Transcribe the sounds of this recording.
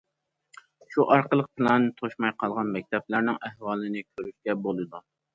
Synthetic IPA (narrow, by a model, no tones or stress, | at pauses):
ʃuʔɑɾqəlˠəq̚pʰɨlɛnt̪ʰoʃmɑjqʰɑlˠʁɑnmɛk̚ʲt̪ʰɛplæɾnɪŋæhwɑːlˠɨnɪkʲʰøɾyʃkʲɛbolˠɨd̪u